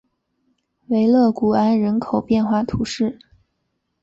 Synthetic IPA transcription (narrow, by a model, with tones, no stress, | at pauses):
we˧˥ɪlɤ˥˩ku˨˩a˥nɻə˧˥nkʰo˨˩ʊpjɛ˥˧nxwa˥˩t̪ʰu˧˥ʂɻ̩˥˩